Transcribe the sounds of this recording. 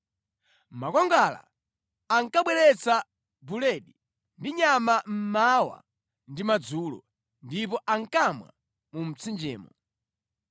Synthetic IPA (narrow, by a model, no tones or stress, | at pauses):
makɔŋɡala̰ | aŋkaɓwɛɾɛt͡sa | bulɛɗi | ndiɲamam̩mawa̰ | ndimad͡zuːlɔ̰ | ndipɔʔaŋkamwa̰ | mum̩t͡sʰind͡ʒɛ̰ːmɔ